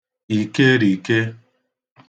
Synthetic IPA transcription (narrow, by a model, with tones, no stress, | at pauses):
i˨ke˦ɾi˨ke˦